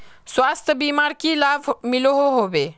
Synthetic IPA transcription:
sʋaːst̪ʰjəbiːmaɾkilaːbmiloɦoɦoʋe

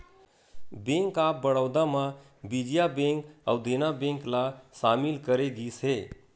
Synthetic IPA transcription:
bẽŋkaːp̚bəɽəʊd̪amã | bid͡ʒijabẽŋkəʊd̪ʱenabẽŋklasaːmɪlkəɾeɡiːsɦeː

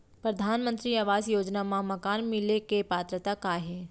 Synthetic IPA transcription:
pɾɐd̪ʱaːnmə̃nt̪ɾiaʋaːzjoːd͡ʒnamãmɐkaːnmɪlekepaːt̪ɾət̪akaɦeː

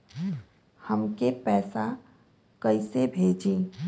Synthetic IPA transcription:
həmkepɛːsa | kəisebʱeːd͡ʒĩː

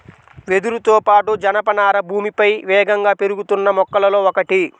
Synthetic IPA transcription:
ʋe̞d̪uɾut̪oːpaːʈud͡ʒɐnɐpɐnaːɾɐbʱuːmipɐjʋɛːɡɐŋɡaːpe̞ɾuɡut̪unːɐmɔkːɐlɐlo̞ːɔkɐʈi

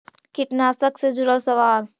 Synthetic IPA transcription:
kɪʈnaːsəksed͡ʒʊɾəlsəʋaːl

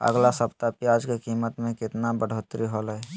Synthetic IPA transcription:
ə̰ɡlasəpt̪apjad͡ʒkekiːmət̪mẽkɪt̪nabəɽ̤ot̪ɾiɦolɛ

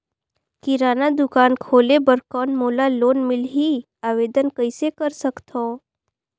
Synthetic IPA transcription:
kiɾanad̪ʊkankʰoːlebəɾkɔnmolalonmɪlɦi | aʋed̪ənkəjsekəɾsəkt̪ʰo

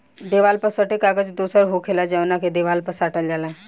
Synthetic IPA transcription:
d̪eːʋaːlpəsəʈekaɡəd͡ʒd̪usəɾɦokʰelad͡ʒəʋnaked̪eʋaːlpəsaʈəld͡ʒalã

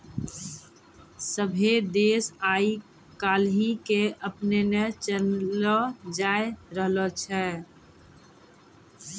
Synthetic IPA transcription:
səbʱed̪eːsai | kaːlɦikeʔəpnenet͡ʃəəd͡ʒaːeɾəɦlət͡ʃʰɛ

